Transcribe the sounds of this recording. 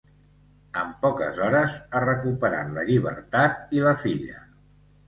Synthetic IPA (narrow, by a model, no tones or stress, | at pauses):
əmpɔkə̰zɔɾəzarəkupəɾa̰t̪ləʎiβə̰ɾt̪at̪̚iləfiʎə̰